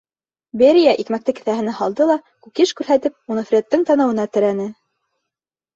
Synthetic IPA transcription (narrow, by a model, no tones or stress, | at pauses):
beɾʲijæʔikmæk̚t̪ɘkɘ̆θæhɘ̆næhɑlˠd̪ɤlˠɑkukiʃkʉɾhæt̪ɘp̚unɤ̆fɾʲet̪ːɘŋt̪ɑnɤ̆wɤ̆nɑt̪ɘ̆ɾænɘ